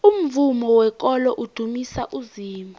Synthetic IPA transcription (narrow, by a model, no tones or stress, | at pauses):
um̩vumɔwɛk̬ʼɔlɔʔud̥ʱumisaʔuziːmbʱu